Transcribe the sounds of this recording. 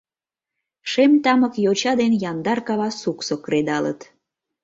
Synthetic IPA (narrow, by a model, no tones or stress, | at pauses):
ʃemt̪ɑməkjot͡ɕɑd̪enjɑnd̪ɑrkɑβɑsuksokɾed̪ɑlə̰t̪